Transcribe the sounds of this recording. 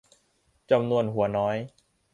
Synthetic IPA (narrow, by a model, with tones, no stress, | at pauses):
t͡ɕa˧mnu˧ənɦu˩˦ɐnɔː˦˥j